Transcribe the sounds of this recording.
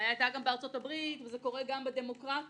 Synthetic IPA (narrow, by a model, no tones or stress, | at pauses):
ajaajt̪aɡambeaʁt͡so̞tabʁitvezeko̞ʁeɡambed̪e̞mo̞kʁat